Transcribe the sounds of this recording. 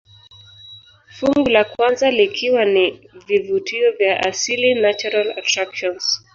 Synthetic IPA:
fuŋɡulakwanzalikʰiwanivivutiɔvjaʔasilinat͡ʃuɾala̰tɾakʃɔns

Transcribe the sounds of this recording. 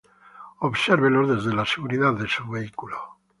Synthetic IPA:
oβseɾβelozðe̞zðelaseɣuɾiðaððesuβe̞ikulo

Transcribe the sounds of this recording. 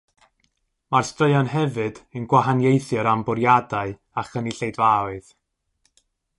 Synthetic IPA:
marstrəɨɔnɦɛvɨdənɡwaɦanjejθjɨɾambʊɾjadaɨ | aχəniɬejdvawɨð̥

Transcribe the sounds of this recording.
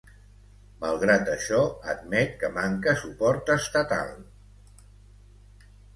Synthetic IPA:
malˠɣɾat̪əʃɔəd̪̚mɛt̪̚kəmaŋkəsupɔɾt̪əst̪ət̪a̰lˠ

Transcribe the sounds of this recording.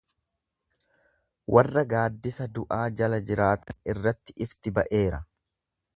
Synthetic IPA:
wʔɐrːɐɡaːd̪ːɪsɐd̪ʊʔaːd͡ʒɐlɐd͡ʒɪɾaːt̪ɐnɪrːɐt̪ːɪʔɪft̪ɪbɐʔe̞ːɾɐ

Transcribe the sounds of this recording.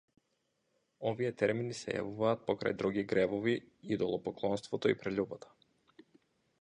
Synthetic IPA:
ɔvijɛt̪ɛɾminisɛ̰ja̰vuvaːt̪̚pɔkɾa̰jd̪ɾuɡiɡɾɛbɔviid̪ɔlˠɔpɔklˠɔnst̪vɔt̪ɔipɾɛʎʲubat̪ḁ

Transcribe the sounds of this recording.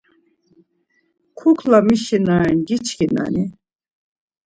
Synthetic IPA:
kʰukʰlamiʃinaɛnɡit͡ʃʰkina̰ni

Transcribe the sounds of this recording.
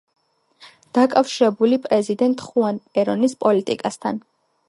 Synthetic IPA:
d̪̥akʼafʃiɾɛbulipʼɾɛzid̪ɛnt̪ʼχuanpʼɛɾɔnispʼɔlit̪ʼḭkʼast̪ʰa̰n

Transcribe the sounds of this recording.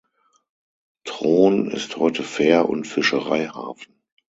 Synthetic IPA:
tʁ̥oːnɪ̰sthɔʏtʰəfɛːɐʔʊ̰ntfɪʃəʁa̰ɪha̰ːfn̩

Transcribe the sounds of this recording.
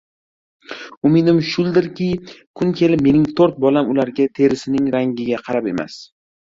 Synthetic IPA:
ʊmɪd̪ɪmʃʊlˠd̪ɪɾkʲɪkʰʊŋkʲʰe̞lɪp̚me̞nɪŋt̪ʰoɾt̪̚bɒlamʊlaɾɡʲat̪ʰe̞ɾɪsɪnɪŋɾaŋɡʲɪɡʲaqʰɑɾape̞̰ma̰s

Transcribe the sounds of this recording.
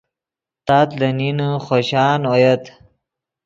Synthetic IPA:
t̪at̪ləninχoɕɑːnojɐt̪

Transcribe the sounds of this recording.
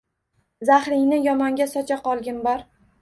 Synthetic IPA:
zahɾɪŋnɪjɒmɒŋɡʲasɒt͡ʃʰaqɒlˠɡʲɪnbɒɾ

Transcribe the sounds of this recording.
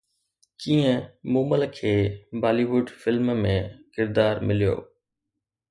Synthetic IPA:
kĩːə̃moːməlkʰeːbaːliʋʊɖfɪlmmẽkɪɾd̪aːɾmɪlijo̰ː

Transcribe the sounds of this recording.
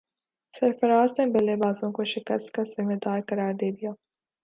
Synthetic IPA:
sɐɾfɐɾaːznebɐlebaːzõkoʃɪkə̰st̪kat̪zɪmed̪aːɾkɐɾaːɾd̪eːd̪ijaː

